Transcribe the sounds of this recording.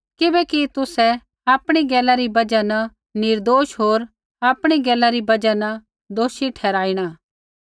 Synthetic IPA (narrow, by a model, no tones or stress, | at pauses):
kɪbɛːkit̪ʊsɛ | aːpɽ̃iɡɛːlaɾibɐd͡ʒanɐ | nɪɾd̪oːʃɦoːɾ | aːpɽ̃iɡɛːlaɾibɐd͡ʒanɐ | d̪oːʃiʈʰɛːɾaːiɽ̃aː